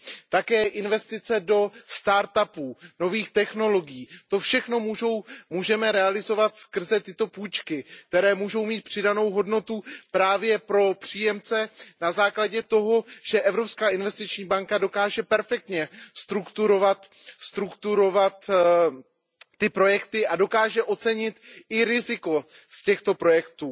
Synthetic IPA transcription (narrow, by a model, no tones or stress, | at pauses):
t̪akɛːʔɪnvɛst̪ɪt͡sɛdo̞st̪aːɾt̪apuːno̞viːxt̪ɛxno̞lo̞ɡɪjiːt̪o̞fʃɛxno̞muːʒo̞wmuːʒɛmɛɾɛalɪzo̞vat̪skr̩zɛt̪ɪt̪o̞puːjt͡ʃkɪk̚t̪ɛɾɛːmuːʒo̞wmiːt̪̚pr̝̥ɪdano̞wɦo̞dno̞t̪upɾaːvjɛpɾo̞pr̝̥iːjɛmt͡sɛnazaːklaɟɛt̪o̞ɦo̞ʒ̥ɛʔɛvɾo̞pskaːʔɪnvɛst̪ɪt͡ʃɲiːbaŋkado̞kaːʒɛpɛɾfɛk̚t̪ɲɛst̪ɾukt̪uɾo̞vat̪st̪ɾukt̪uɾo̞vat̪ | ɪpɾo̞jɛkt̪ɪʔado̞kaːʒɛʔo̞t͡sɛɲɪt̪ɪɾɪzɪko̞scɛxt̪o̞pɾo̞jɛkt̪uː